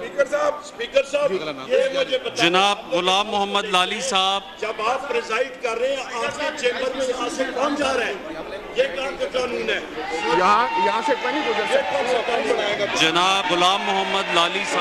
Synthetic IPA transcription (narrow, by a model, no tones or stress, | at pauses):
iːkəɾsaːbspiːkəɾsaːjemʊd͡ʒʱebɐt̪d͡ʒd͡ʒɐnaːbɣʊlaːmːʊɦəmːəd̪laːliːsaːbd͡ʒɐbaːpːɾɪzaːɪɖkɐɾːẽaːd͡ʒket͡ʃẽːməɾmẽjɐɦãsekãːmd͡ʒaːɾɛ̃ːjeːkaːɳkakaːnũːnɦɛːjɐɦãjɐɦãsekɐnijekãnekɐ̃nbəɽaːẽɡad͡ʒɐnaːbɣʊlaːmːʊɦəmːəd̪laːlisa